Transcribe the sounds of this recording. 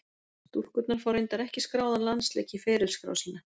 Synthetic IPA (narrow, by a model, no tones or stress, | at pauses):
t̪uhkʏt̪naɾ̥fawɾejnt̪aɾɛhcɪskɾaːwðanlanslḛːcifɛːɾʏ̥skɾa̰ːwsiːnːa